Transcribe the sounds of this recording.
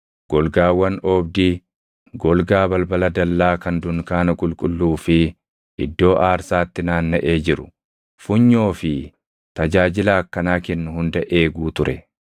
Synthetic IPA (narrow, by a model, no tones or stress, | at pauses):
ɡ̥ɔlɡaːwɐnɔːbd̪iː | ɡɔlɡaːbɐlbɐlɐd̪ɐlːaːkɐnd̪ʊŋkaːnɐkʼʊlkʼʊlːuːfɪ | ʔɪd̪ːo̞ːʔaːɾsaːt̪ːɪnaːnːɐʔeːd͡ʒɪɾʊ̥̰ | fʊɲːo̞ːfɪ | t̪ɐd͡ʒaːd͡ʒɪlaːkːɐnaːkɛnːʊhʊnd̪ɐʔe̞ːɡuːt̪ʊɾɛ